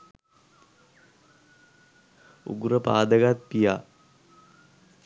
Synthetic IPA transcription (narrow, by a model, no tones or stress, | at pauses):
ṵɡuɾəpa̰ːd̪əɡat̪̚pija